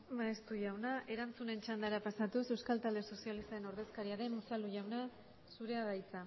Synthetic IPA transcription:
maest̪uʝawnaʔe̞ɾant͡sune̞nt͡ʃand̪aɾapasat̪use̞wskalt̪ald̪eso̞sialist̪ae̞no̞ɾðe̞skaɾiaɾe̞nusaluʝawna | suɾe̞aɣajt͡sa

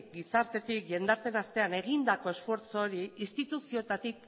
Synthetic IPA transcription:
ɡisaɾt̪e̞t̪ikʝe̞nd̪aɾt͡s̪e̞nast̪e̞ane̞ɣ̞ind̪ako̞e̞sfo̞ɾt͡so̞ːɾiist̪it̪usio̞t̪at̪ik

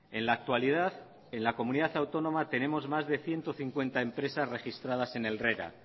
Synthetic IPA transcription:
e̞nlaːk̚t̪walið̞að | e̞nlako̞mũniðaθawt̪o̞nõ̞mat̪e̞nẽ̞mo̞zmazðe̞θje̞nt̪oθiŋkwe̞nt̪ae̞mpɾe̞sasre̞xist̪ɾað̞ase̞ne̞lreɾa̰

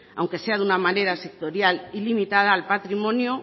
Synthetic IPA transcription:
a̰wŋke̞seaðunamane̞ɾase̞k̚t̪oɾjalilimit̪að̞aːlpat̪ɾimõ̞njo

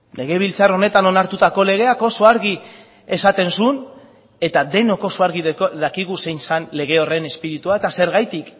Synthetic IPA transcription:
le̞ɣ̞e̞β̞ilt͡saro̞ne̞t̪ano̞naɾt̪ut̪ako̞le̞ɣ̞e̞ako̞soaɾɣi | e̞sat̪e̞nsun | e̞t̪ad̪e̞no̞ko̞soaɾɣiðakiɣ̞use̞jnsanle̞ɣ̞e̞o̞re̞ne̞spiɾit̪uae̞t̪ase̞ɾɣajt̪ik

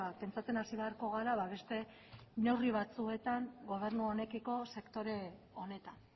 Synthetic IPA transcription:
pe̞nt͡sat͡se̞nasiβe̞aɾko̞ɣ̞aɾaβaβe̞st̪e̞ | ne̞wriβ̞at͡sue̞t̪aŋɡo̞β̞e̞ɾnuo̞ne̞kiko̞se̞kt̪o̞ɾe̞ | o̞ne̞t̪an

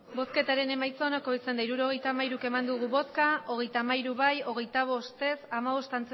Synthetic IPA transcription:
bo̞ske̞t̪aɾe̞ne̞majt͡so̞noko̞isend̪aiɾuɾo̞ɣ̞e̞jt̪amaiɾuke̞mand̪uɣ̞uβo̞skaʔo̞ɣ̞e̞jt̪aːmajɾuβajo̞ɣ̞e̞jt̪aβ̞o̞st̪e̞samaβo̞st̪ant͡s

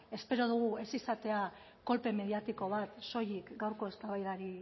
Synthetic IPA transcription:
e̞spe̞ɾo̞ð̞uɣ̞ue̞sisat̪e̞a | ko̞lpe̞me̞ðiat̪iko̞β̞at̪so̞jikɡawɾko̞e̞st̪aβ̞ajðaɾi

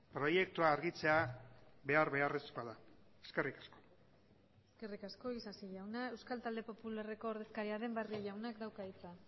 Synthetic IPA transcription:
pɾo̞je̞k̚t̪uaːɾɣit͡se̞aβe̞aɾβe̞are̞skoaða | e̥ske̞rikḁsko̞̥ | eske̞rikasko̞isasiʎawnae̞wskalt̪ald̪e̞po̞pulare̞ko̞ːɾðe̞skaɾiaðe̞mbarioʎawnakd̪awkait͡sa

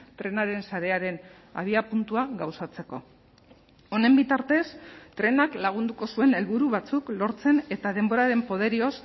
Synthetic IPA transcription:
t̪ɾe̞naɾe̞nsaɾe̞aɾe̞n | a̰β̞iapunt̪uaɣawsat͡se̞ko̞̰ | o̞ne̞mbit̪aɾt̪e̞st̪ɾe̞naklaɣ̞und̪uko̞sue̞ne̞lβuɾuβ̞at͡suklo̞ɾt͡se̞ne̞t̪að̞e̞mbo̞ɾaɾe̞mpo̞ðe̞ɾio̞s

